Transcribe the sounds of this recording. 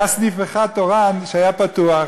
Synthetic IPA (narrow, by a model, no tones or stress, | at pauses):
asnifeχat̪oʁanʃeajapat̪uaχ